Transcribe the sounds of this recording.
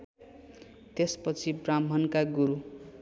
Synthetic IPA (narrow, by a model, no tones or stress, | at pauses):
t̪espʌt͡sʰibramʌnkaɡuɾu